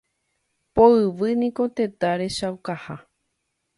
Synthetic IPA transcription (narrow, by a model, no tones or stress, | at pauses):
poɨʋɨnĩko̞t̪e̞t̪aɾe̞ʃawkaha